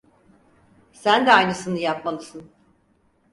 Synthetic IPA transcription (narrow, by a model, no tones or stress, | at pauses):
sænd̪ɛajnɯsɯnɯjapmalˠɯsɯn